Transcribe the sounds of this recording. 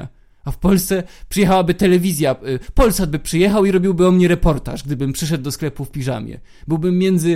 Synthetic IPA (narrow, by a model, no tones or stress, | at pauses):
a̰ | afpɔlst̪sɛpʂɨjɛxawabɘt̪ɛlɛvʲizʲjapɔlsad̪bɘpʂɘjɛxawiɾɔbʲiwbɘɔmɲɛɾɛpɔɾt̪a̰ʐɡ̚d̪ɘbɘmpʂɘʂ̬ɛd̪̚ːɔsklɛpufpʲiʐa̰mʲjɛ̰ | bɘwbɘmːʲjɛnd̪zɘ